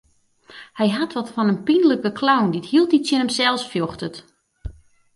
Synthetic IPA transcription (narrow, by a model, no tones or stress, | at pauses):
hɛjɦatʋɔtfɔnənpinələkəkʰlawndithiəlˠtitsjɪnəmsɛlˠsfjɔxtət